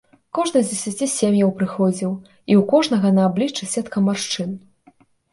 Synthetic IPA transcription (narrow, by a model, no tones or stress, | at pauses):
kɔʐnɨzʲd͡zʲɛsʲat͡sʲisʲemjɐwpɾɨxɔd͡zʲiw | iwkɔʐnɐɣɐnɐːblʲit͡ʂɨsʲɛt̪kɐmarʂt͡ʂɨn